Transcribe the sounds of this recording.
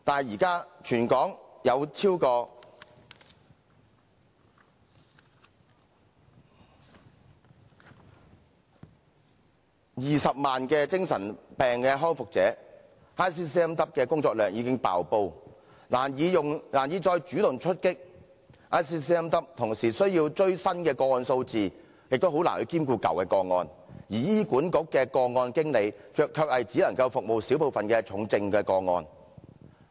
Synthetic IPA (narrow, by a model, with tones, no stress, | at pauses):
t̪aː˨n˨jiː˨˩kaː˥t͡ʃʰyː˨˩nkɔː˨˥ŋjɐ˨˧wt͡sʰiː˥wkɔː˧ | jiː˨sɐ˨p̚maː˨nkɛː˧t͡sɪ˥ŋsɐ˨˩npɛː˨˩ŋkɛː˧ɦɔː˥nfʊ˨k̚t͡sɛ̰ː˨˥ | aː˥js̬iː˥siː˥ɛ˥mt̪ɐ˥p̚kɛː˧kʊ˥ŋt͡sɔː˧k̚lœː˨˩ŋjiː˨˧kɪ˥ŋpa̰ː˨wpo˧w | laː˨˩njiː˨˧jʊ˨ŋlaː˨˩njiː˨˧t͡sɔː˧jt͡ʃyː˨˥t̪ʊ˨ŋt͡ʃʰɵ˥t̚kɪ˥k̚ | ʔaː˥jsiː˥siː˥ɛ˥mt̪ɐ˥p̚t̪ʰʊ˨˩ŋsiː˨˩sɵ˥ɥjiː˧wt͡ʃɵ˥ɥsɐ˥nkɛː˧kɔː˧ŋɔː˧nso˧wt͡siː˨ | jɪ˨k̚t̪o˥wɦo˨˥wla̰ː˨˩nhɵ˨˧jkiː˥mkuː˧kɐ̰˨˩wkɛː˧kɔː˧ŋɔ̰ː˧n | jiː˨˩jiː˥kuː˨˥nkʊ˨˥kːɛː˧kɔː˧ŋɔː˧nkɪ˥ŋle˨˧jt͡ʃœː˨˧kʰːœː˧k̚hɐ˨jt͡si˨˥lɐ˨˩ŋkɐ˧wfʊ˨k̚mo˨wsiː˨˥wpo˨˧wfɐ˨nkɛː˧t͡ʃʰʊ˨˥ŋt͡sɪ˧ŋkɛː˧kɔː˧ŋɔ̰ː˧n